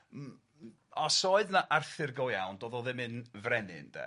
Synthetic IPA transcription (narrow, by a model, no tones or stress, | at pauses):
ɔsoɨðnaʔarθɨrɡɔjawndoːðɔðɪmɨnvrɛnɪ̰nd̥ɛ̰